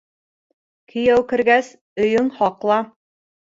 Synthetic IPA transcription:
kʰɘ̆jæwkɘ̆ɾɡæs | ɵ̆jɵŋhɑqlˠɑ

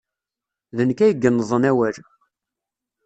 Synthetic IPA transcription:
ðənkæjəɡːənːəzˤənæwæɾ

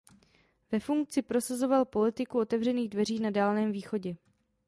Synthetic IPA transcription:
vɛfuŋk̚t͡sɪpɾo̞sazo̞valpo̞lɪt̪ɪkuo̞t̪ɛvrɛniːɣdvɛriːnadaːlnɛːmviːxo̞ɟɛ

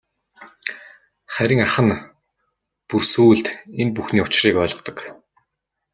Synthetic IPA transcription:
χæɾʲɪ̆ːŋaχə̆n | pursuːɮt̪enpuxniːʊt͡ɕriːkœːɮʁɞ̆qt̪ɞ̆k

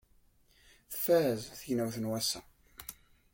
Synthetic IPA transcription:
θə̥fæəzθəjənæwθənwæsæ̰

